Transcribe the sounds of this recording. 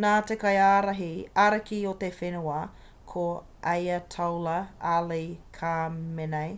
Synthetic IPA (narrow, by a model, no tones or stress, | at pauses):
naːt̪ekɐjaːɾɐɦiaɾɐkiot̪efenuɐ | kʰo | ʔɐjɐt̪ʰɐwlɐalejkʰamenɐj